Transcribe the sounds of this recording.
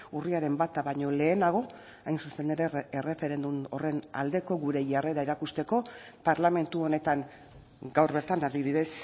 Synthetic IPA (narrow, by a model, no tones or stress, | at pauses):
uriaɾe̞mbat̪aβaɲo̞le̞ːnaɣ̞o̞ | ajnsuseneɾeere̞fe̞ɾe̞nd̪umore̞na̰ld̪e̞ko̞ɣuɾe̞ʝare̞ɾaeɾakust̪e̞ko̞ | paɾlame̞nt̪uo̞ne̞t̪aŋ | ɡawrβe̞ɾt̪anaðiβiðe̞s